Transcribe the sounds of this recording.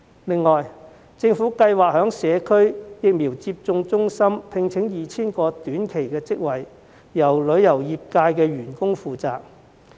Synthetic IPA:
lɪ˨ŋːɔː˨j | t͡sɪ˧ŋfuː˨˥kɐ˧jwaː˨k̚hœː˨˥ŋsɛː˨˧kʰɵ˥ɥjɪ˨k̚miː˨˩wt͡siː˧p̚t͡sʊ˧ŋt͡sʊ˥ŋsɐ˥mpʰɪ˧ŋt͡sʰɪ˨˥ŋjiː˨˧t͡sʰiː˥nkɔː˧t̪yː˨˥nkʰe˨˩jkɛː˧t͡sɪ˥k̚wɐ˨j | jɐ˨˩wlɵ˨˧˥ɥjɐ˨˩wjiː˨p̚kaː˧jkɛː˧ɥyː˨˩nkʊ˥ŋfuː˨t͡saː˨k̚

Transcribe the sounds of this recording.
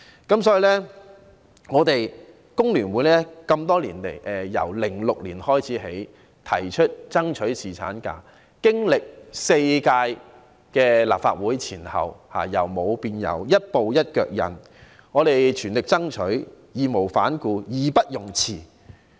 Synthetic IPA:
kɐ˨˥msɔː˨˥ji˨˧lɛː˥ | ŋɔː˨˧t̪e˨j | kʊ˥ŋlyː˨˩nwuː˨˥jlɛː˥kɐ˧mt̪̬ɔː˥liː˨˩nle˨˩jʔɛ˨jɐ̰˨˩wlɪ˨˩ŋlʊ˨k̚lḭː˨˩nhɔː˥jt͡sʰiː˨˥ɦe˨˥j | t̪ʰɐ˨˩jt͡ʃʰɵ˥t̚t͡sɐ˥ŋt͡ʃʰɵ˨˥ɥsiː˨˩t͡sʰa̰ː˨˥nka̰ː˧ | kɪ˥ŋlɪ˨k̚se˧jkaː˧j | kɛː˧la̰ː˨p̚fa̰ː˧t̚wuː˨˥jt͡sʰiː˨˩nhɐ̰˨wha̰ː˨˩jɐ̰˨˩wmo˨˧wpiː˧njɐ̰˨˩wjɐ˥t̚po˨wjɐ˥t̚kœ̰ː˧˨k̚jɐ̰˨˩n | ŋɔː˨˧ɾe˨jt͡ʃʰyː˨˩nlɪ˨k̚t͡sɐ˥ŋt͡ʃʰɵ˨˥ɥ | jiː˨mo˨˩wfa̰ː˨˥nkuː˧jiː˨˩pɐ˥t̚jʊ˨˩ŋt͡sʰiː˨˩

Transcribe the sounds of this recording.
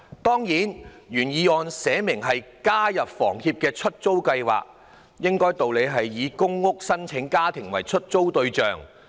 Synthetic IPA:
t̪ɔː˥ŋjiː˨˥n | jyː˨˩njiː˨˧ɔː˨˧nsɛː˨˧˥mɪ˨˩ŋɦɐ˨jkaː˥jɐ˨p̚fɔ̰ː˨˩ŋhiː˧p̚kɛː˧t͡ʃʰɵ˥t̚t͡so˥wkɐ˧jwa̰ː˨k̚ | jɪ˥ŋkɔː˥jt̪o˨wle˨˧jɦɐ˨jːiː˨˧kʊ˥ŋːʊ˥k̚sɐ˥nt͡sʰɪ˨˥ŋkaː˥t̪ʰɪ˨˩ŋwɐ̰˨˩jt͡ʃʰɵ˥t̚t͡so˥wt̪ɵ˧ɥt͡ʃœː˨ŋ

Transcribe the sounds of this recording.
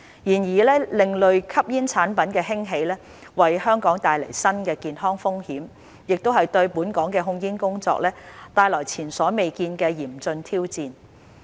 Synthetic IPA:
jiː˨˩njiː˨˩lɛː˥lɪ˨ŋlɵ˨ɥkʰɐ˥p̚jiː˥nt͡sʰaː˨˥npɐ˨˥nkɛː˧ɦɪ˥ŋɦe˨˧jlɛː˥ | wɐ˨jhœː˥ŋkɔː˨˥ŋt̪aː˨jlɐ˨˩jsɐ˥nkɛː˧kiː˨nɦɔː˥ŋfʊ˥ŋhiː˨˥m | jɪ˨k̚t̪o˥wɦɐ˨jt̪ɵ˧ɥpuː˨˥nkɔː˨˥ŋkɛː˧ɦʊ˧ŋjiː˥nkʊ˥ŋt͡sɔ̰ː˧k̚lɛː˥t̪aː˧jlɔː˨˩jt͡sʰiː˨˩nsɔː˨˥me˨jkiː˧nkɛː˧jiː˨˩mt͡sɵ˧nt̪ʰiː˥wt͡siː˨˧n

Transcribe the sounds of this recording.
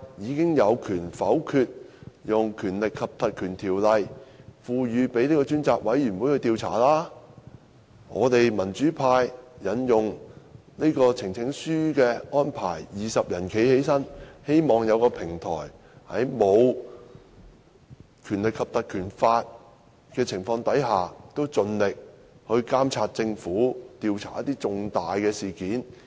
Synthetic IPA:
jiː˨˧kɪ˥ŋjɐ˨˧wkʰyː˨˩nfɐ˨˥wkʰyː˧t̚jʊ˨ŋkʰyː˨˩nlɪ˨kʰːɐ˨p̚t̪ɐ˨t̚kʰyː˨˩nt̪ʰiː˨˩wlɐ˨˧jfuː˨˧jyː˨˧pe˨˥jneː˥kɔː˧t͡ʃyː˥nt͡saː˨˧k̚wɐ˨˥jy˨˩nwuː˨˥jhɵ˧jt̪iː˧wt͡sʰa̰ː˨˩laː˥ | ŋɔ̰ː˨˧t̪e˨jmɐ˨˩nt͡ʃyː˨˥pʰaː˧jːɐ˨˥njʊ˨ŋni˥kɔː˧t͡sʰɪ˨˩ŋt͡sʰɪ˨˥ŋsyː˥kɛː˧ɔː˥npʰa̰ː˨˩jjiː˨˧sɐ˨p̚jɐ˨˩nkʰe˨˥jhe˨˥jsɐ˥nhe˥jmɔː˨ŋjɐ˨˧wkɔː˧pʰɪ˨˩ŋt̪ʰɔ̰ː˨˩j | hɐ̰˨˥jmo˨˧w | kʰyː˨˩nlɪ˨kʰːɐ˨p̚t̪ɐ˨˩t̚kʰyː˨˩nfaː˧t̚ | kɛː˧t͡sʰɪ˨˩ŋfɔː˧ŋt̪ɐ˨˥jɦaː˨t̪o˥wt͡sɵ˧nlɪ˨k̚hɵ˧ɥkaː˥mt͡sʰaː˧t̚t͡sɪ˧ŋfuː˨˥t̪iː˧wt͡sʰaː˨˩jɐ˥t̪iː˥t͡sʊ˧ŋt̪aː˨jkɛː˧siː˨kiː˨˥n

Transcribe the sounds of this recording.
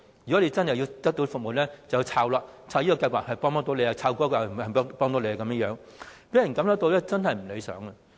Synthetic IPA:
jy˨˩kɔ˨˥le˨˧jt͡sɐ˥nhɐ˨ji˧t̪ɐ˥k̚t̪o˧˥fʊ˨k̚mo˨˩lɛː˥t͡sɐ˨wji˧t͡sʰaː˧wlaː˧t͡sʰaː˧wjiː˥kɔ˧kɐ˧jwaː˨t̚hɐ˨jpɔː˥ŋt̪ɔ˥t̪o˨˥le˨˧ja˧t͡sʰaː˧wkɔː˥kaː˨˩˨ɐ˨˩˥pɔː˥ŋt̪o˨˥wle˨˧˨kɐ˨˦mjə˥jœː˨˥ŋ | pe˨˥jɐ˨˩nkɐ˨˥msɐ˦˥t̪o˧wlɛː˥t͡sɐ˥nhɐ˨jm̩˨˩le˨˧sœ̰ː˨˥ŋɐ˧

